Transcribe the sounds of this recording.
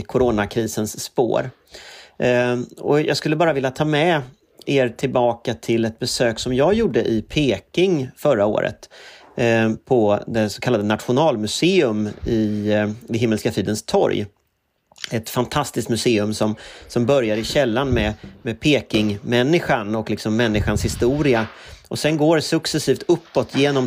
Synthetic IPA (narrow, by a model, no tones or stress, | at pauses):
kʰʊɾoːnakʰɾiːsənsːpo̰ːɾ | ɔ̰jʔɑ̰ɡskɵlːəbɑːɾavɪljat̪ʰɑːmɛ | eːɾʈ̪ʰɪlbɑːkat̪ʰɪlɛt̪̚bɛsøːksɔmjɑːɡjuːɖːəʔɪpʰeːkɪŋfœɾao̰ːɾə̰t̪ | pʰɔd̪ɛsɔ̥kʰalːad̪ənat̪ɧʊnɑːlmɵseːɵmɪd̪ɛɦɪmːəlskafyːd̪ənst̪ʰɔ̰ɾj | ɛt̪fant̪ʰast̪ɪskt̪mɵseːɵmsɔmsɔmbœɾjaɾɪɕɛlːanmɛmɛpʰeːkɪŋmɛnːɪɧanɔklɪksɔmːɛnːɪɧanshɪst̪uːɾɪaʔɔsɛnɡoːɖɛsɵksɛsiːft̪ɵpːɔt̪ʰjeːnɔm